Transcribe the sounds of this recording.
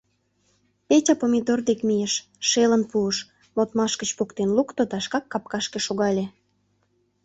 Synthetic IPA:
petʲɑpomʲid̪ord̪ekmijeʃ | ʃelənpuəʃ | mot̪mɑʃkət͡ɕpokt̪enlukt̪od̪ɑʃkɑkːɑp̚kɑʃkeʃoɣɑlʲe

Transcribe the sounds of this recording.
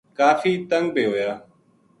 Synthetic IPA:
kaːfiːt̪əŋɡ̚biːɦoːjaː

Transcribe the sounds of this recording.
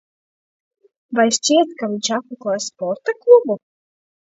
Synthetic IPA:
vajʃt͡ʃiɛt̪kavʲiɲʲʃat̪̚mʲɛklˠɔjspɔɾt̪aklˠubu

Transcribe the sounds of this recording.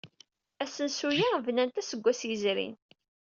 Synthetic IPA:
æsənsujavnænt̪æsəɡʷːæsjəzɾḭn

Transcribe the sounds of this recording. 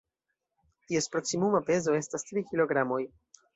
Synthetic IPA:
tie̞spɾo̞ksimumape̞zo̞e̞stastɾikilo̞ɡɾamo̞j

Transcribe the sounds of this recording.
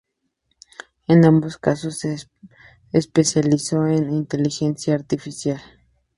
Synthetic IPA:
enamboskasosːe | espesjalisoenint̪elixensjaːɾt̪ifisjal

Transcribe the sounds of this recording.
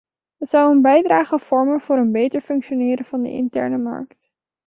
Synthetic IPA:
ɦətsʌwənbɛjdraːχəv̥ɔɹmənv̥ʊːɾənbejtəɹfɵŋkʃonɪːɾəvɑndə̰ɪ̰ntɛ̰ɹnəmɑ̰ɹkt

